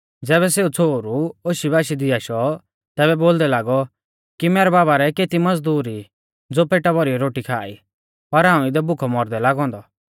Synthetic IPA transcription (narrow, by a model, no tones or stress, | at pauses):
d͡zɛːβɛseːut͡sʰoːɾuoːʃibaːʃid̪ɪaːʃɔ | t̪ɛːbɛboːld̪ɛlaːɡɔ | kimɛːɾɛbaːbaɾɛkeːt̪imɐd͡zd̪uːɾi | d͡zoːpʰeːʈabɔɾiɔɾoːʈikʰaːḭ | pɐɾɦãːũɪd̪ɛbʊkʰɔmɔɾd̪ɛlaːɡɔ̃ːnd̪ɔ